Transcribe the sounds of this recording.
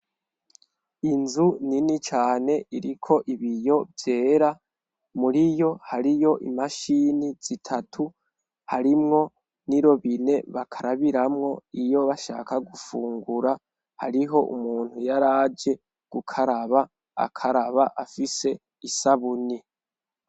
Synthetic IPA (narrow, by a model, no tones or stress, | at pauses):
inzuninit͡ʃaːne̞ʔiɾikʰo̞ʔiβijo̞vje̞ːɾa | muɾijo̞haɾijo̞ʔimaʃiniz̥itʰatʰu | haɾimŋo̞ | niɾo̞βine̞βakʰaɾaβiɾamŋo̞ijo̞βaʃa̰ːkaɡufuːŋɡuɾa | haɾiɦo̞ʔṵmuːn̥hujaɾaːd͡ʒe̞ | ɡ̥ukʰaɾaβa | a̰kʰaɾaβaʔafise̞ | isaβuni